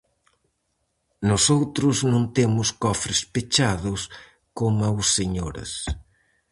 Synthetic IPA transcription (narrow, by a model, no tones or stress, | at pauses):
nosowt̪ɾʊznõnt̪emʊskɔfɾespet͡ʃaðʊs | komawsːeɲoɾɐ̰s